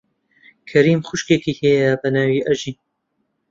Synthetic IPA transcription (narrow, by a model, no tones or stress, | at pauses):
kʰɐɾiːmxʊʃkeːkiːhejɐbɐnaːwiːʔɐʒiːn